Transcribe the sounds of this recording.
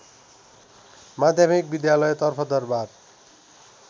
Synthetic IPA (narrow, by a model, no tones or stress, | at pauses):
mad̪ʱjamik̚bid̪jalɔet̪ɔrpʰʌd̪ʌɾbad̪